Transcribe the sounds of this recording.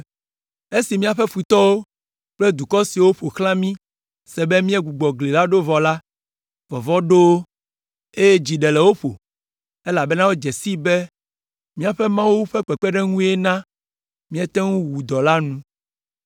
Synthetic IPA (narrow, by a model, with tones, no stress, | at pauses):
e˦si˨mĩ˦a˨ɸɛ˦fu˨t̪ɔ˦wo˦ | k͡plɛ˦d̪u˨kɔ˦si˨wo˦ɸo˨xlã˦mĩ˦ | sɛ˨bɛ˦mĩ˦ɛ˦ɡu˨ɡ͡bɔ˨ɡle˨la˦ɖo˦vɔ˨la˦ | vɔ˨vɔ˦ɖo˦ | e˦je˦d͡ʑi˨ɖɛ˨lɛ˨wo˦ɸo˨ | e˦la˨bɛ˦nã˦wo˦d͡ʒɛ˨si˦bɛ˦ | mĩ˦a˨ɸɛ˦mã˦wu˦ɸɛ˦k͡pɛ˨k͡pɛ˦ɖɛ˦ŋũ˦e˦nã˦ | mĩ˦ɛ˦t̪ɛ˦ŋũ˦wu˨d̪ɔ˨la˦nũ˦